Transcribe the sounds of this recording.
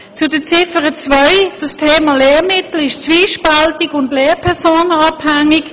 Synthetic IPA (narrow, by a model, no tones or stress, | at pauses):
t͡sʊdət͡sɪfəʁət͡svœɪd̥ɑstʰeːmaːlɛːmɪt̪l̩ɪʃt͡sviːʃpaltɪɡʊndleːpʰɛɐsoːnɑphæŋɪk